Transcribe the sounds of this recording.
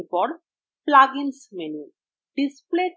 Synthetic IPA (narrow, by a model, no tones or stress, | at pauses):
pɔɾ | plaɡinsmeni | ɖisple